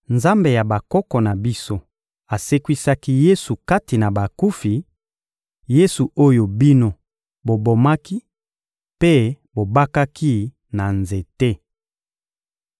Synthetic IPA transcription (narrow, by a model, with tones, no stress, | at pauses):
nza˦mbe˨ja˨ba˨kɔ˦kɔ˨na˨bi˦so˦ | a˨se˦kwi˦sa˦ki˦je˦su˨ka˦ti˨na˨ba˨ku˦fi˨ | je˦su˨o˦jo˨bi˦no˦ | bo˨bo˨ma˦ki˦ | pe˦ | bo˨ba˦ka˦ki˦ | na˨nze˨te˦